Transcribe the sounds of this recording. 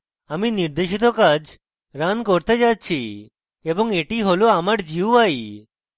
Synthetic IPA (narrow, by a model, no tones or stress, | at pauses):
aminiɾd̪eʃit̪ɔkad͡ʒ | ɾankɔɾt̪ed͡ʒat̪̚t͡ɕʰi | ebɔŋeʈiɦoloamaʈd͡ʑiwaj